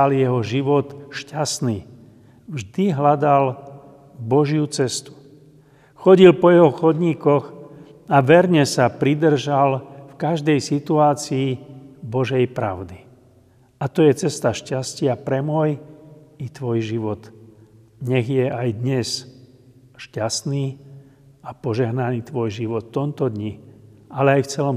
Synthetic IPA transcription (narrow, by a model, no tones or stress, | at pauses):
aljɛɦɔʒiʋɔt̪ʃcasniː | vʒd̪iɦlad̪al | bɔʒjut͡sɛst̪u̥ | xɔɟilpɔjɛɦɔxɔd̪ɲiːkɔx | aʋɛɾɲɛsapɾid̪r̩ʒalfkaʒd̪ɛjsit̪uaːt͡siːbɔʒɛjpɾa̰ʊd̪i | at̪ɔjɛt͡sɛst̪aʃcascɪapɾɛmɔjit̪ʋɔjʒiʋɔt̪ | ɲɛɣjɛajd̪ɲɛs | ʃcast̪niː | apɔʒɛɦnaniːt̪ʋɔjʒiʋɔt̪ːɔmt̪ɔd̪ɲialɛajft͡sɛlɔm